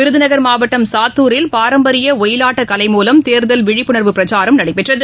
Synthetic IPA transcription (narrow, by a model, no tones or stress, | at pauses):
ɪɾɯðɯnɐɣɐɾmaːʋɐʈːɐmsaːt̪ːuːɾɪlpaːɾɐmbɐɾɪjɐɔjɪlaːʈːɐkɐlɐɪmuːlɐmt̪eːɾðɐlʋɪɻɪpːɯɳɐɾʋɯpɪɾɐt͡ʃaːɾɐmnɐɽɐɪpːɛʈrɐðɯ